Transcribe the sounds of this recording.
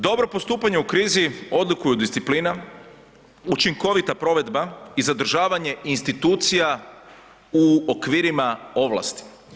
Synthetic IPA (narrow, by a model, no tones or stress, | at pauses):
d̪o̞bɾo̞post̪uːpaɲeukɾiːzio̞d̪lˠukujud̪ist̪siplina | ut͡ʃiŋko̞ʋit̪apɾo̞ʋe̞d̪baizad̪ɾ̩ʒaːʋaɲe̞ʔinst̪it̪uːt̪sija | uokʋiːɾimao̞ʋlˠa̰st̪i̥